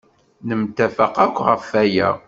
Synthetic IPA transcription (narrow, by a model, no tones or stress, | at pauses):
nəmt̪æfəqækʷːʁəfæjæ̰